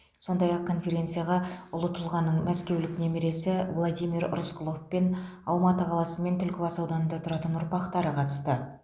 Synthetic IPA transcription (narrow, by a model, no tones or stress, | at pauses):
so̞nd̪ɑjɑq̚kʰːo̞nfe̞ɾʲe̞nt̪sɨjaʁɑʊlˠət̪əlˠʁɑnːəɴmæskʲe̞wlɪknemeɾe̞sɪvlˠod̪ijmiɾ̰rʊsklˠofpe̞n | ɑlˠmɑt̪əqʰɑlˠɑsəme̞nt̪ʰʏlkʲɪbɑsɑwd̪ɑnənd̪ɑt̪ʰʊɾɑt̪ənʊɾpɑqt̪ɑɾəqʰɑt̪ə̥st̪ə